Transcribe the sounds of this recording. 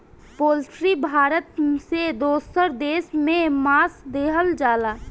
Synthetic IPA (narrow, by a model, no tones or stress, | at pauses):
poːlsɾibʱaːɾət̪sed̪oːsəɾd̪eːsmẽmaːsd̪eːɦəld͡ʒaːlaː